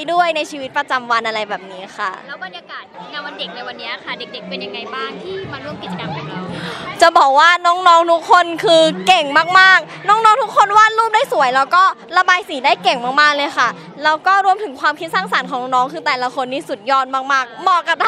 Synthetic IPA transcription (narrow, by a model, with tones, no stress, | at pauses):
du˥˩əjna˧jt͡ɕʰiː˧wi˦˥t̪̚pɾa˧t͡ɕa˧mwa˧nʔa˧ɾa˧jbɛː˨˩p̚niː˦˥xʰa˥˩lɛː˦˥wba˧nja˧kaː˨˩t̪̚na˧˩jwa˧nde˨˩k̚na˧jwa˧nːi˦˥lkʰa˥˩de˨˩k̚de˨˩k̚pe˧nja˨˩ŋːa˧jbaː˥˩˥ŋt̪ʰiː˥˩ma˧ɾu˥˩əmki˨˩t͡ɕa˧ka˧mkʰɔː˩˦ɾa˧wt͡ɕa˨˩bɔː˨˩k̚waː˥˩nɔː˦˥ŋnɔː˦˧˥ŋt̪ʰu˦˥kʰːo˧nkʰɯː˧ke˨˩ŋmaː˥˩k̚maː˥˩k̚ | nɔː˦˥ŋnɔː˦˥ŋt̪ʰu˦˥kʰːo˧nwaː˥˩˨nɾuː˥˩p̚daː˥˩jsu˨˩˦əjlɛː˦˥wkɔː˥˩ | la˧baː˧jsiː˨˩˦daː˥˩jke˨˩ŋmaː˥˩k̚maː˥˩k̚lɤː˧jxʰa˥˩ | lɛː˦˥wkɔː˥˩ɾu˧əmt̪ʰɯ˨˩˦ŋkʰwaː˧mkʰi˦˥t̪̚saː˥˩ŋsa˨˩˦nkʰɔː˩˦ŋnɔː˨˧˥nɔː˦˥ŋkʰɯː˧t̪ɛː˨˩la˧kʰo˧ndiː˥˩su˨˩t̪̚jɔː˥˩nmaː˥˩k̚maː˥˩k̚mɔː˧ka˨˩p̪̚ʰa˧